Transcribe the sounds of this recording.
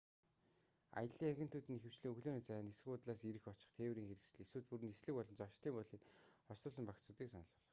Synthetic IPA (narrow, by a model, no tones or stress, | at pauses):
a̰jə̆ɮiːŋæɡʲɪ̆n̥t̪ʰuːt̪ĭnexɘ̆wt͡ɕɮiːŋɵɣɮoːniːt͡sæjaːnes̆xʊːt̪ɮaːsiɾɘ̆xɔt͡ɕɪ̆χt̪ʰeːwɾiːŋxeɾɘ̆ksɘ̆ɮesuːt̪̚puɾɘ̆nesɮɘ̆kpɔɮɞ̆nt͡sɔʃt̪iːmpɔɮiːkχɔst̪ʊːs̬ə̆mpakt͡sʊːt̪iːksanə̆ɮpɔ̆ɮɞ̥̆χ